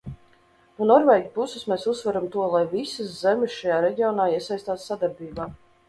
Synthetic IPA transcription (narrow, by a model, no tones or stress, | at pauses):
nunɔɾvɛːjɡʲupususmeːsusːvaɾamt̪uɔlˠajvisiszɛmʲɪsʃajaːɾɛɟʲiɔnaːiɛsajst̪aːssad̪aɾbiːbaː